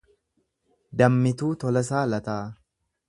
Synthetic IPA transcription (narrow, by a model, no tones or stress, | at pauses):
d̪ɐmːɪt̪uːt̪ɔlɐs̬aːlɐt̪aː